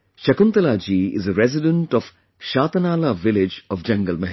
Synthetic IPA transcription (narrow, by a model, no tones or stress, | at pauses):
ʃɐkʊnt̪əlaːd͡ʒiːɪ̰zəɾɛzɪɖə̃ɳʈɔf | ʃaːt̪ɐnaːlaːʋɪlɪd͡ʒɔfd͡ʒɐ̃ŋɡəlmɛɦ